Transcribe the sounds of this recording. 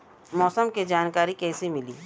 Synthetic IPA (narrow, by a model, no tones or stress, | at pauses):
mɔːsəmked͡ʒaːnkaːɾikɛːsemɪlḭː